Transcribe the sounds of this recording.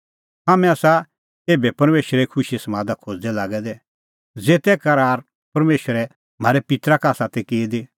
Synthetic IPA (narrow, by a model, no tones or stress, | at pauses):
ɦaːmɛ̃ɐsa | eːbɛpɐɾmeːʃəɾɛkʰʊʃisɐmãːd̪akʰod͡zd̪ɛlaːɡɛd̪ɛ | d͡zeːt̪ɛkɐɾaːɾ | pɐɾmeːʃəɾɛ | m̤aːɾɛpɪt̪ɾakaːsaːt̪ɛkeːd̪e